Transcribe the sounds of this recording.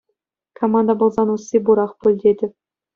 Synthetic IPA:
kʰomɑnd̪ɑbŏlˠzɑnusːʲebuɾɑχpɵlʲd̪ʲed̪ʲɘ̆

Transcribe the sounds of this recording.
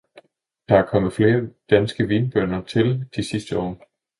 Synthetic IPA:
d̥ɑ̈æɐkʰɒ̽məð̩ˠfle̝ːɐd̥ænsɡ̥əʋiːnb̥ɶɐnɐt͡sʰe̝ld̥isisd̥əɒ̰ː

